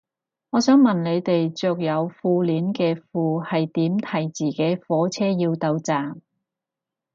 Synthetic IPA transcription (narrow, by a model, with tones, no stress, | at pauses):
ŋɔː˨˧sœː˨˥ŋmɐ˨nle˨˧jt̪e˨jt͡sʊ˨k̚jɐ˨˧wfuː˧liː˨˥nkɛː˧fuː˨˧hɐ˨jt̪iː˨˥mt̪ʰɐ˨˩jt͡siː˨ke˨˥jfɔː˨˥t͡sʰɛː˥jiː˧wt̪ɐ˧wt͡saː˨m